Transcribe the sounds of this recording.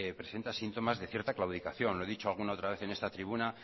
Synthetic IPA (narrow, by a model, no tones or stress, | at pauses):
pɾe̞se̞nt̪asint̪o̞mazðe̞θje̞ɾt̪aklawð̞ikaθjo̞nloe̞ðit͡ʃo̞alɣ̞unao̞t̪ɾaβ̞e̞θe̞ne̞st̪at̪ɾiβuna